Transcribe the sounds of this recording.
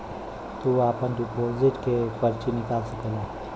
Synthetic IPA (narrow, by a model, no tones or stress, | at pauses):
t̪uaːpənɖɪpoːzɪʈkepəɾt͡ʃinɪkaːlsəkəlaː